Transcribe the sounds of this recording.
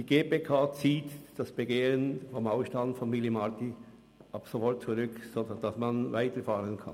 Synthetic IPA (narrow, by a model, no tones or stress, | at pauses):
d̥iːɡeːpekʰaːt͡siːtd̥asb̥eɡeːʁənfɔmaʊʃtandfɔnmɪlimaʁti | ʔɑpsofɔɾt̚t͡suʁʏksoːdd̥ɑsmɑnvaɪtəɾfaːʁənkʰɑ̰n